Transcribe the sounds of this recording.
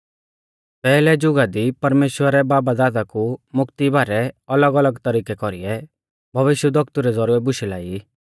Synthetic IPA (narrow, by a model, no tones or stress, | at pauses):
pɛːlɛd͡ʒʊɡad̪ipɐɾmeːʃwəɾɛbaːbad̪aːd̪akumʊkt̪ibʱaːɾɛɐləɡələɡt̪ɐɾiːkɛkɔɾiɛ | bʱɐʋɪʃjəd̪ɔkt̪uɾɛd͡zɐɾuːɾɛbʊʃilaːi